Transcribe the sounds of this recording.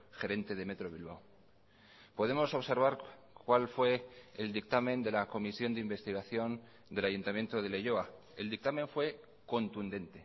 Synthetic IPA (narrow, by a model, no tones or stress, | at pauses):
xe̞ɾe̞nt̪e̞ð̞eme̞t̪ɾo̞β̞ilβaw | po̞ð̞e̞mo̞so̞βse̞ɾβ̞aɾ | kwalfwe̞ːld̪ik̚t̪amẽ̞nd̪e̞lako̞misjo̞nd̪eimbe̞st̪iɣ̞aθjo̞n | d̪e̞laʝunt̪amje̞nt̪oðe̞leʝo̞a | e̞ld̪ik̚t̪amẽ̞ɱfwe̞ | ko̞nt̪und̪e̞nt̪e̞